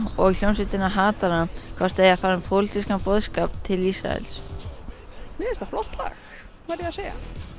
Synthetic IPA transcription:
ɔɣljownsɪt̪ɪnaɦaːt̪aɾakʰvast̪ejafaːɾɪmpʰɔlit̪iskapɔːðskap̚t̪ʰːɪlisɾa̰ɛ̰ls | mɪɛɾst̪aflɔt̪la̰x | kvaɾjɛaseːja̰

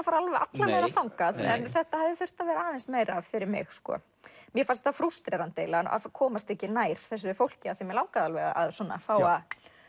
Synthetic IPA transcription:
afaɾalvɛa̰t̪lameːjɾafawŋkaðɛ̰nθɛht̪ahavðɪθʏr̥t̪avɛɾɪaːðɛnst̪meːjɾavfɪɾɪɾmɪ̰xskɔ̰ | mjɛfast̪ːafɾust̪ɾɛɾant̪ejlana̰fkʰɔːmast̪ɛhcɪnaːjɾ̥θɛs̬ɪfowl̥cɪaθɛmjɛlaːwkaðalvɛɣa̰a̰ðsɔnːa̰fawað

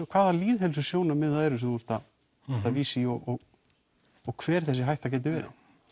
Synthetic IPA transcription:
kʰvaːðaliːðɦɛls̬ʏ̥sjoːwnamɪðaðɛɾʏsɛmθuɛɾ̥t̪a | ɛɾ̥t̪aviːsiɔɣɔɣ | ɔɣkʰvɛːɾ̥θɛsːɪɦajht̪acɛːt̪̬ɪvɛːɾa̰

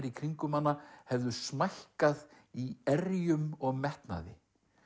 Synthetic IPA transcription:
ɾikʰɾiŋkʏmanːahɛvðʏsmajhkað | iɛɾjʏmɔɣmɛht̪na̰ðɪ̰

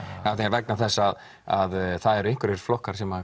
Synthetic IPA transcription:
awθeaɾvɛk̚naθɛsːað | aðθaðɛɾʏɪjŋ̥kʏɾvɛɾ̥flɔhkaɾ̥sɛma

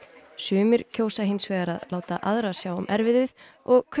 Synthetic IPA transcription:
sʏːmɪɾ̥cʰoːwsaɦɪnsvɛːɣaɾaðlaːwt̪aʔaðɾḁsjaːwʊmʔɛɾvɪðɪð̥ | ɔɣkʰ

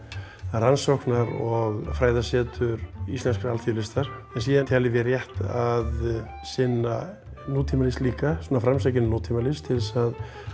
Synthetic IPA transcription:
ransɔwhknaɾɔɣfɾaːjðasɛːt̪ʏɾist̪lɛnskɾalθjilɪst̪aɾ̥ɛnsiːðant̪ʰaːlɪvɪrjɛht̪að | sɪnːa | nuːt̪ʰimalisliːkasɔnːafɾamsacɪnnuːt̪ʰimalɪst̪ʰɪlsað

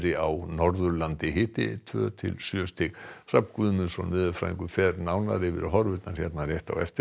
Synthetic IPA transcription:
ɾɪawnɔɾðʏɾlant̪ɪɦɪːt̪ɪ̰t̪ʰvœ̰ːt̪ʰɪ̰lsjœst̪ʰɪkr̥apkvʏðmɛnsɔ̰nmɪːðʏlfɾa̰ːḭŋkʏfɛɾnawnaɾɪvɪ̰ɾɦɔɾvɪt̪nḁçɛt̪narjɛjht̪a̰wɛ̰ft̪ɪ

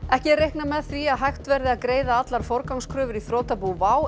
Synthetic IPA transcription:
ɛhcɪrejhknamɛðθviaðɦajxt̪vɛɾðɪaðkɾeːjðaat̪laɾ̥fɔɾkawŋskʰɾœːvʏɾiθɾoːt̪apuvaːw

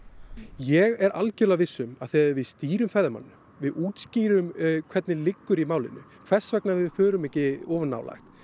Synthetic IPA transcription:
jɛɣɛɾʔalcʏlavɪsːʏmaðθɛːaɾvɪðst̪iːɾʏmfɛðama̰nːʏ | vɪðuːt̪sciːɾʏmkʰv̥ɛɾt̪nɪlɪkːʏɾimaːwlɪ̰nːʏ̰ | kʰv̥ɛ̥svɛk̚navɪðfœːɾʏmɛcɪɔːvʏnːa̰ːwla̰jxt̪

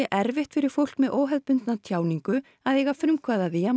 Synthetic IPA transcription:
ɛʔɛɾvɪht̪fɪɾɪɾ̥fowl̥kmɛðʔoːwɦɛðpʏnt̪nat̪ʰjaːwniŋkʏ | aðeːjɣafɾʏmkʰvaːðaðɪja

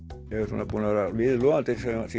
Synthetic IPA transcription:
esunːɑpunorɑʋilluɑnt̪isɑsi

